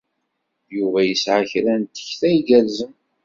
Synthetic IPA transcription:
juvæjəsʕaçɾænt̪ə̥çθæjɡælzən

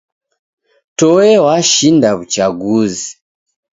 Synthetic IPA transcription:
tɔwɛwaʃindaβut͡ʃaɡuzi

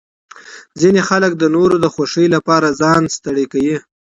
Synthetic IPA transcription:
zinexalək̚d̪ənoɾod̪əxaʂəjlapɑɾazɑnst̪aɽekawi

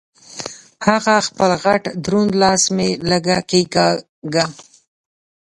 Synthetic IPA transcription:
haɣaxpəlɣaʈd̪ɾund̪lɑsmeləɡakeɡa | ɡa

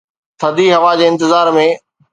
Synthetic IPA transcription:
t̪ʰɐd̪iɦɐʋad͡ʑeːɪ̃nt̪ɪzaːɾmẽ

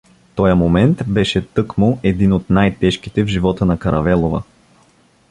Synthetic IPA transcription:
t̪ɔjəmomɛnt̪bɛʃɛt̪ɤkmoɛd̪inot̪najt̪ɛʃk̟it̪ɛvʒivɔt̪ənɐkɐɾʔɐvɛlˠovə̰

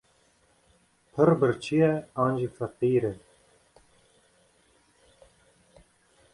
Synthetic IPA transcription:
pʰəɾbəɾt͡ʃʰijɛɑːnʒiːfæqiːɾɛ

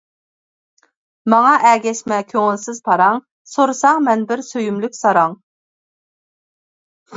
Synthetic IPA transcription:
mɑŋɑʔɛɡʲɛʃmɛkʲʰøŋɪlsɪz̥pʰɑɾɑŋ | soɾɨsɑŋmɛnbɪɾsøjymlykʲsɑɾɑŋ

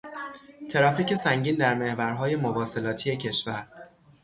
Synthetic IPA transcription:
t̪ʰe̞ɾɒːfiːkce̞sæŋɟiːnd̪æɾme̞hvæɾɦɒːje̞mobɒːse̞lɒːt̪ʰijecʰe̞ʃvæɾ

